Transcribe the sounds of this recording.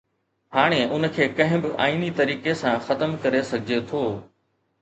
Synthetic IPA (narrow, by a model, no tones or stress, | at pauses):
haːɽ̃eʔʊnəkʰeːkɐ̃ɦɪ̃bɪʔa̰ːiːnit̪ɐɾiːkesãxɐt̪əmkɐɾesɐɡʱɪd͡ʑet̪ʰoː